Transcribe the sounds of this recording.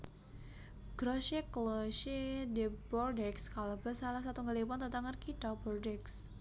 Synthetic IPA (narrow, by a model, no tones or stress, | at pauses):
ɡ̥ɾɔʃeklɔʃedɛbɔrdɛkskalabəsalahs̬at̪uŋɡəlipant̪ət̪aŋərkidabɔrdɛks